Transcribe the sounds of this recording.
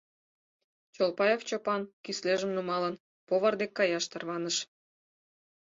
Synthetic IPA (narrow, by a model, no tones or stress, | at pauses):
t͡ɕolpɑjoft͡ɕopɑnkysleʒəmnumɑlən | poβɑrd̪ekːɑjɑʃt̪ərβɑnəʃ